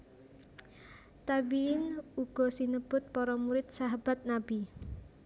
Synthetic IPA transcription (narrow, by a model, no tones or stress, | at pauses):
t̪abiɪnuɡ̥ɔ̤sinəb̥ʊt̪̚pɔɾɔmuɾɪt̪̚saɦab̥at̪̚nabi